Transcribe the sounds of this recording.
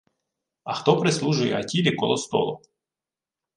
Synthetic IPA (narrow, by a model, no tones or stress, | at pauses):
ɐxt̪ɔpɾɪslˠuʒʊjɛɐtʲilʲikɔlˠɔst̪ɔ̰lˠɔ